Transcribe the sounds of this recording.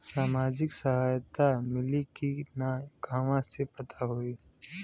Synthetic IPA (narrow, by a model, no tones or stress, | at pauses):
saːmaːd͡ʒɪksɐɦaːjt̪amɪlikinaɡʱaːʋãsepɐt̪ʰaɦoiː